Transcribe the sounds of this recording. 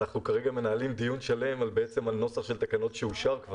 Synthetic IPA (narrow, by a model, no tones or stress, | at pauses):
aχnukaʁe̞ɡame̞naːlimd̪ijunʃale̞malbeet͡se̞malno̞saχʃe̞lt̪akano̞tʃeuʃaʁkv